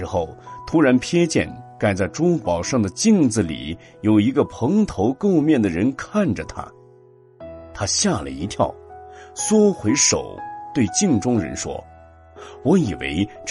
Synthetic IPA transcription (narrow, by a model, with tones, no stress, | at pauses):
ɻ̩˧˥xo˥˩ʊt̪ʰu˥ɻa˧˥npʰjɛ˥t͡ɕjɛ̰˥˩nka˥˩ɪt͡sa˥˩ɪʈ͡ʂʊ˥pɑ˨˩ʊʂɑ˥˩ŋd̪ə˩t͡ɕi˥˧ŋd͡zɹ̩˩lḭ˨˩˦ | jo˨˩ʊi˧˥ɡə˧pʰɤ˧˥ŋt̪ʰo˧˥ʊko˥˧ʊmjɛ˥˩nd̪ə˩ɻə˧˥nkʰa˥˩nʈ͡ʂə˩t̪ʰa̰˥ | t̪ʰa˥ɕja˥˩lə̰˨˩i˧˥t̪ʰjɑ˥˩ʊswɔ˥xwe˧˥ɪʂo̰˨˩ʊt̪we˥˧ɪt͡ɕi˥˧ŋʈ͡ʂʊ˥ŋɻə̰˧˥nʂwɔ̰˥ | wɔ˧˥i˨˩wḛ˧˥ɪʈ͡ʂ